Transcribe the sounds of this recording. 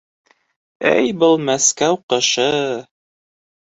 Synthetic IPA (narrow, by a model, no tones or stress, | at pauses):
æ̰jbɤlˠmæskæwqɤ̆ʃɤ